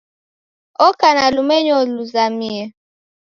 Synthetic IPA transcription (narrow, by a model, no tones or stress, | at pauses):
ɔkanalumeɲɔluzamie